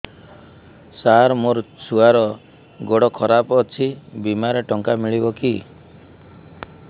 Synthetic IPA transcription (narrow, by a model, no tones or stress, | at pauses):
saɾmoɾsuaɾɔ | ɡɔɽɔkʰɔɾapɔːt͡ʃʰibimaɾeʈɔŋkamiɭibɔki